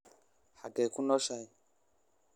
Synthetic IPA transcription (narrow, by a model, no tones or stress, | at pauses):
haɡɛkunɔʃai